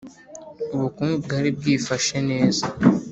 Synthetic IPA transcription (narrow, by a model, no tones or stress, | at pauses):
uβukuːnubɡaːɾib̚ɡiːfaʃene̞ːza